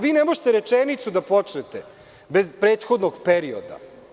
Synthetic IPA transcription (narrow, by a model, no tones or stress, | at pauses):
ʋiːnɛmo̞ʒet̪eɾet͡ʂenit̪sud̪apot͡ʃnet̪e | bezpɾeːt̪xod̪noɡpeɾio̰d̪a̰